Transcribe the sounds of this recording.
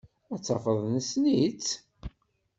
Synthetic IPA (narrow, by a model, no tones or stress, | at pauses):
æt͡sːɑfəðˤnəsnit͡s